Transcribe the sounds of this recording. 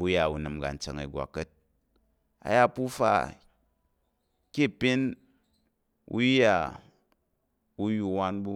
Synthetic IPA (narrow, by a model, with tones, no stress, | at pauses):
u˦ja˨wu˨nɨ˨mɡa̰˨n̩˦t͡ʃɐ˨ŋɐ˨ɡʷa̰˨kːɐ˦t̚ | a̰˨ja˦pu˦fa̰˦ | kʲi˦˨pi˦n | ṵ˦ja˨ | wu˦ju˦wa˦nbu˦